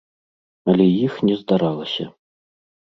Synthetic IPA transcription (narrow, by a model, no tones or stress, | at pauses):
ɐlʲɛjixnʲɛzd̪aɾalˠɐsʲɐ̰